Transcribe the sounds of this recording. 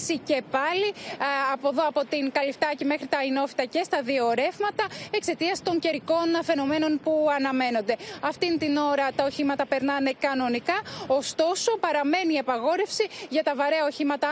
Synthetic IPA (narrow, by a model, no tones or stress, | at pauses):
sice̞pɐliɐpo̞ðoɐpo̞t̪iŋkɐlift̪ɐcimexɾit̪ɐino̞fi̥t̪ɐce̞st̪ɐðioɾe̞vmɐt̪ɐe̞kse̞t̪iɐst̪o̞ɲce̞ɾiko̞nfe̞no̞me̞no̞npuɐnɐme̞no̞nd̪eɐft̪int̪ino̞ɾɐt̪ɐo̞çimɐt̪ɐpe̞ɾnɐne̞kɐno̞nikɐost̪o̞so̞pɐɾɐme̞niːɐpɐɣo̞ɾe̞fsiʝɐt̪ɐvɐɾe̞ɐo̞çimɐt̪ɐ